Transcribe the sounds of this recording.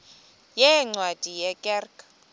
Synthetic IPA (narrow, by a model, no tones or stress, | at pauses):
jɛŋ͡ǀwad̥ʼʱijɛkʼɛrkʰʼ